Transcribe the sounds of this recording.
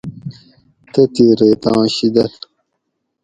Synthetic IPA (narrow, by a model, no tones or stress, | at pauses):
t̪ɐt̪iːɾeːt̪ɑ̃ːɕid̪ɐl